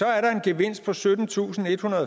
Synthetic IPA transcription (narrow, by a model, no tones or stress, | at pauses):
ɒ̽æɐɾɑ̈e̝nɡ̥eʋe̝n̰sd̥̚pʰɒ̽sød̥n̩t͡sʰṵːsn̩e̝d̥hunɐð̩ˠ